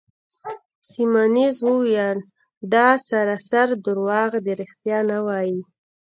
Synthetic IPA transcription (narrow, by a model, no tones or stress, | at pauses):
simanizwəwjal | d̪ɑsaɾasaɾd̪ʊɾwɑɣd̪əɾixt̪jɑnawɑji